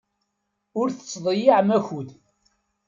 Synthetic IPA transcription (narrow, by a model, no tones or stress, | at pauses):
ʊɾθə̥t͡sːðˤəjiʕmæçud̪